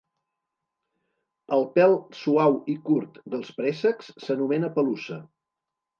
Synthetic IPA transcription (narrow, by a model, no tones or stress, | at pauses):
əlˠpɛlˠsuawikuɾt̪d̪əlˠspɾɛsəksːənumɛnəpəlusə